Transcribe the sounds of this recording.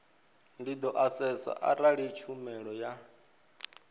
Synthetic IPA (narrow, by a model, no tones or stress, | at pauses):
ndid̪ɔʔasɛsa̰ʔaɾaɺit͡ʃʰumɛɺɔja